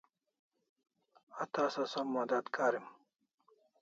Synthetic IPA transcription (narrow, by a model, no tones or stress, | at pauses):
at̪aːsɐsɐmːad̪at̪kaːɾim